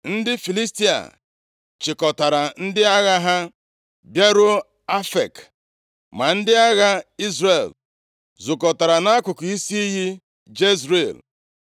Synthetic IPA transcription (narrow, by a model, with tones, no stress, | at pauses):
n̩˦dɪ˦fi˨li˦sti˦a̰˨ | t͡ʃɪ˨kɔ˨ta˨ɾa˨n̩˦dɪ˦a˦ɣa˦ɦa˦ | bje˦ɾʊ˦ | a˦fḛ˨k | ma˨n̩˦dɪ˦a˦ɣa˦i˦zɾe˨l | zʊ˨kɔ˨ta˨ɾa˨na˦kʷʊ˨kʊ˨i˦si˦i˦ɦi˦ | d͡ʒe˦zɾe˨l